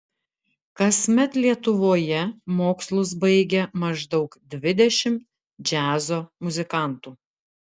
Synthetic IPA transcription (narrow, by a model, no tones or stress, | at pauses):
kɐsʲmʲɛt̪lʲiɛt̪ʊʋoːjɛmoːkslˠʊs̬bɐɪɡʲɛmɐʒd̪ɒʊkd̪ʲʋʲɪd̪ʲɛʃʲɪm | d͡ʒʲæːzoːmʊzʲɪkɐˑnt̪uː